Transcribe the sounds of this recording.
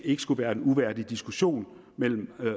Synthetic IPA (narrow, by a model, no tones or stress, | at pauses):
e̝ɡ̥əsɡ̥uʋæːɐe̝nuʋæɐ̰d̥id̥isɡ̥uɕo̝̰ːn | mel̰m̩